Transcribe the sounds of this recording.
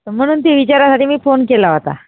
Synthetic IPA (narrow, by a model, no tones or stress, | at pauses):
əm̤əɽ̃uːnt̪̬eʋit͡ɕaɾasaʈiːmiːfonkelaɦot̪a̰